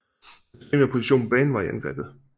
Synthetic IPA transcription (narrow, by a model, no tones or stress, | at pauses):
ḛːmepʰo̝siɕo̝̰ːnb̥ɛːn̩ʋɑ̈iænɡ̥ʁɛ̰ːb̥ð̩ˠ